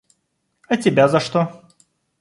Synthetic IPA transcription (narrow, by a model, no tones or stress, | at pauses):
ɐtʲɪbʲazɐʂt̪o